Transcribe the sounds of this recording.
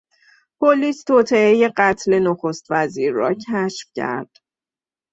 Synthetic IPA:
pʰoliːst̪ʰoːt̪ʰe̞eje̞ɢæt̪ʰle̞noxo̞st̪væziːɾːɒ̰ːcʰæʃfcʰæ̰ɾd̪̥

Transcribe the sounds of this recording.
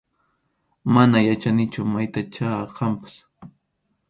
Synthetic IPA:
manajat͡ʃanɪt͡ʃʊmajt̪at͡ʃaqʰɑmpḁs

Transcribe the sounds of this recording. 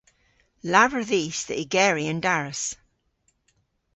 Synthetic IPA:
lavə˞ðisðəʔiɡɛɹiə̃ndaɹəs

